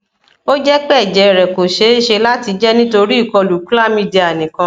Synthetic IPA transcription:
o˦d͡ʒɛ˦k͡pɛ˦˨d͡ʒɛ˨ɾɛ˨ko˨ʃe˨˦i˦ʃe˧la˦ti˧d͡ʒɛ˦nĩ˦to˧ɾi˦i˦˨kɔ˧lu˨k͡pu˦la˦mĩ˦di˧a˨nĩ˨kã˧

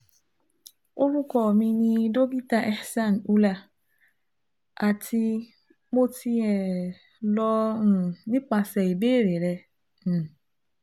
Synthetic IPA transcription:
o˦bu˦kɔ˨mĩ˧nĩ˦do˦ɡi˦ta˦ʔɛ˦hsa˦˨n˨u˦la˨ | a˨tʰi˦ | mo˦ti˦ɛ˨ | lɔ˦n̩˨nĩ˦k͡pa˨sɛ˨e˨be˦ɾe˨ɾɛ˦ | n̩˨

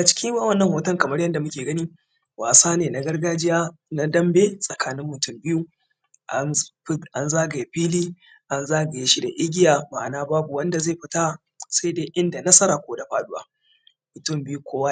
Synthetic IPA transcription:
ɡa˨t͡ʃɪ̥˦kʲɪ˦mwaː˦wɐ˦nːɐ˨ŋhoː˨tɐ˦ŋkɐ˨mɐ˦ɾjɐ˦nda˨mʊ˦kʲeː˨ɡɐ˦niː˦ | waː˨saː˦neː˨na˨ɡɐ˦rɡaː˦d͡ʒɪ˦jaː˦ | na˦dɐ˦mbeː˦sʼɐ˨kʰaː˦nɪ˦mːʊ˨tʊ˦mbɪ˦ju˦ | ʔa˦ʔa˦nzaː˦ɡa˨je˨ɸiː˦liː˦ | ʔa˦nzaː˦ɡa˨je˦ʃi˦da˨ʔɪ˦ɡʲɪ˦jaː˨baː˨naː˦baː˦bu˨wɐ˦nda˨ze˦˨ɸɪ˨˦ta˦˨ | sa˦deː˦ʔɪ˦nda˨nɐ˦sɐ˦ɾaː˨kʷoː˦da˨ɸaː˦ɗʊ˦wa̰ː˦ | mʊ˨tʊ˦mbɪ˦ju˦kʷʰoː˦wa˦

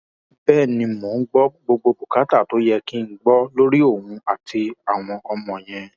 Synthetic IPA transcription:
b̥ɛː˦˨nĩ˧mo˨˦ŋ̩˦ɡ͡bɔ˦ɡ͡bo˧ɡ͡bo˧bu˨ka˨˦ta˦˨to˨˦jɛ˧ki˦ŋ̩˦ɡ͡bɔ˦lo˦ɾi˦o˦˨hũ˧a˨ti˧a˨w̃ɔ̃˧ɔ˧mɔ̃˨j̃ɛ̃˧

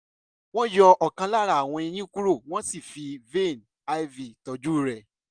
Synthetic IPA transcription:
w̃ɔ̃˦jɔ˧ɔ˨kã˧la˦˨ɾa˨a˨w̃ɔ̃˧i˧j̃ĩ˦ku˦ɾo˦˨w̃ɔ̃˦si˦˨fi˧ve˦˨n | a˧i˦vi˨tɔ˨˧d͡ʒu˦˨ɾɛ˨

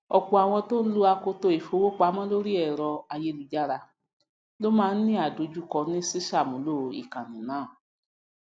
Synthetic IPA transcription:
ɔ˧ku˧˨a˨w̃ɔ̃˧to˦n̩˦lu˦a˧ko˧to˧e˨fo˧˦wo˦k͡pa˧˦mɔ̃˦lo˦ɾi˦ɛ˦˨ɾɔ˧a˧je˦lu˧d͡ʒa˦ɾa˧ | lo˦mãː˦˧˦nĩ˦a˨do˨˦d͡ʒu˦kɔ˧nĩ˦si˦ʃa˦˨mũ˨˦lo˦˨˧ḭ˨kã˨nĩ˨nãː˨˦˨

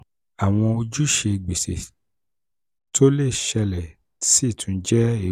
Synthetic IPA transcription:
a˨w̃ɔ̃˧o˧d͡ʒu˦ʃe˧˨ɡ͡be˨se˨ | tʰo˦le˦˨ʃɛ˧lɛ˨˦ | si˦˨tʰũ˧˦d͡ʒɛ˦e˨

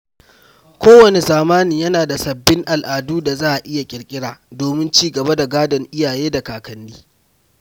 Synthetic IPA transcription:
kʷoː˦wɐ˨ne˨zaː˨maː˦ni˨ɲjɐ˦naː˨da˨sɐ˨bːɪ˦ŋʔa˨lʔaː˨duː˦da˨zaː˦ʔa˨ʔɪ˦ja˨kʲʼɪ˨ɾkʲʼɪ˦ɽaː˨doː˨mɪ˦nt͡ʃiː˦ɡɐ˨ba˦da˨ɡaː˦dɐ˨ŋʔɪ˦jaː˨jeː˦da˨kaː˨kɐ˨nːiː˦

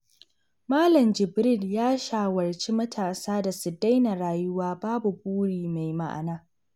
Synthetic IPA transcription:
maː˦lɐ˨md͡ʒɪ˨bɾɪ˦˨ljaː˦ʃaː˨wɐ˨rt͡ʃi˦mɐ˦tʰaː˨saː˦da˨su˨da˦jna˨ɾaː˨jʊ˦waː˦baː˦bu˨buː˦ɽiː˨ma˨jma̰˦˨ʔa̰˨naː˦

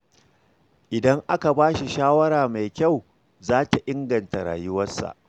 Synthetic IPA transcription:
ʔɪ˨dɐ˦ŋʔa˦ka˨baː˦ʃi˨ʃaː˦wɐ˦ɾaː˨ma˨jkʲa˦˨w | zaː˦ta˨ʔɪ˦ŋɡɐ˨nta˨ɾa̰ː˨jʊ˦wɐ˦sːa̰˨ʔ

